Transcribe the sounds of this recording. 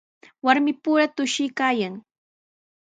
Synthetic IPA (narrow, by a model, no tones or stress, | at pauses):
waɾmɪpʊɾat̪ʊʃɪjkaːjaŋ